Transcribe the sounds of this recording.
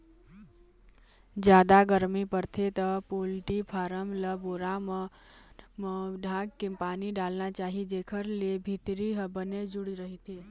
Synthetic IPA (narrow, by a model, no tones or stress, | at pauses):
d͡ʒjaːd̪aɡəɾmipəɾt̪ʰet̪əpolʈipʰaːɾəmləboːɾamə | mɖʱãːɡkepaːniɖaːlnat͡ʃaːɦid͡ʒeːkʰəɾlebʱit̪ɾiɦbəned͡ʒʊɽiɾəɦit̪ʰeː